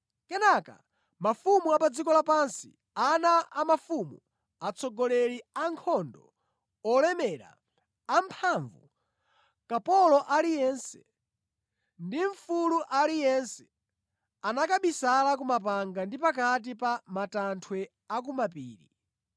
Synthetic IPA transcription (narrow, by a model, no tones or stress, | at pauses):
kɛnaka̰ | mafumuapad͡zikɔlapansi | anaʔamafumu | at͡sʰɔɡɔlɛliaŋkʰɔndɔ | ɔlɛmɛɾa̰ː | mpʰaɱvṵ | kapɔlɔʔalijɛnsɛ̥ | ndiɱfuluʔalijɛnsɛ̥ | anakaɓisalakumapaŋɡandipakat̬ipamatantʰwɛ | ak̬umapiːɾḭ